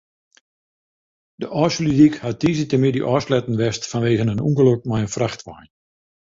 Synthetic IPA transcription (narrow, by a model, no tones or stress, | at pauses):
d̥əʔɔːslidikhatiːzətəmidḭʔɔslɛtn̩ʋɛstfanʋeːɣənənṵŋɡəlok̚majənfraxtʋajn